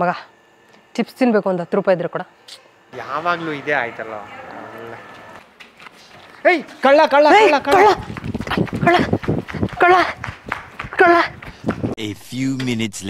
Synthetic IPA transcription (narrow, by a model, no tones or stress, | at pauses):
mɐɡa | ʈipst̪inbeːkuɐnd̪at̪ɾupaːjid̪iɾɐkuːɽa | jaːʋaːɡɐluid̪eːaːjt̪ɐlo̰ːilːɛ | ejkɐɭːakɐɭːaejakɐkɐɭːa | kɐɭːa | kɐɭːa | kɐɭːa | efjuːmɪnɪʈsl